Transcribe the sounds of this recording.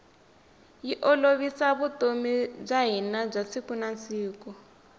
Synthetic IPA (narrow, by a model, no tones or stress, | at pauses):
jiʔɔloβisaβutomib͡ʐaɦinab͡ʐasikunansiːkɔ